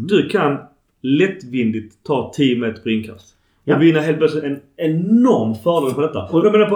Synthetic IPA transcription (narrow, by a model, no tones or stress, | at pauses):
d̪ɵkʰan | lɛt̪ːvɪnd̪ɪt̪ʰːɑːt̪ʰijəmmeːt̪ə̥ɾpʰɔɪnkʰa̰st̪ | ɔvɪnːaɦeːlt̪̚plœtslɪt̪ɛnɛnɔɾmfœːɾɾeːnpʰɔd̪ɛt̪ːajameːnaɾp